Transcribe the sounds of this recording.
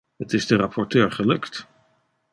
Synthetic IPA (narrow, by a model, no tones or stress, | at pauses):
ɦətɪzdərapʰɔɹtøːɹχəlɵkt